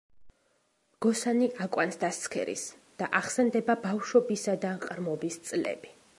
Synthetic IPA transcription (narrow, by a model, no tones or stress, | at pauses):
ɡ̥ɔsaniʔakʼwansd̪ast̪sʰkʰɛ̰ɾḭs | d̪̥aʔaχsɛnd̪ɛbabafʃɔbisad̪aqʼɾmɔbist̪sʼlɛ̰bi